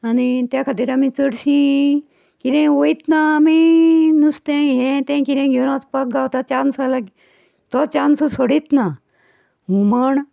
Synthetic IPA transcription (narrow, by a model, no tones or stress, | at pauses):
ɐnit̪jakʰat̪iɾamĩt͡səɽsĩ | kiɾẽoit̪naminust̪ẽɦẽt̪ẽkiɾẽɡʱonat̪pɐk̚ɡawt̪at͡ʃansalɐɡ | t̪ɔt͡ʃansosoɽit̪na | ɦuməɳ